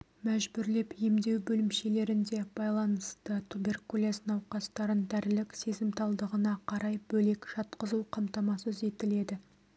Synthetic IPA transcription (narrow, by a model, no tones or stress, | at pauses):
mæʒbʏɾle̞pje̞md̪e̞wbɵlɪmʃe̞le̞ɾɪnd̪e̞b̥ɑjlˠɑnəst̪ət̪ʰube̞rkulʲˠesnɑwqɑst̪ɑɾənd̪æɾlɪkse̞zɪmt̪ʰɑlˠd̪əʁənɑqʰɑɾɑjbɵle̞kʒ̥ɑt̪qəzuqʰɑmt̪ɑmɑsəze̞t̪ɪle̞d̪ɪ